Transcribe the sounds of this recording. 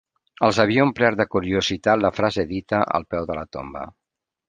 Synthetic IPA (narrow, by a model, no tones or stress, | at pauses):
əlˠzəβ̞iəumpɾɛɾd̪əkuɾiuzit̪at̪ləfɾazeðit̪əʔə̰lˠpɛwðələt̪o̰mbə̰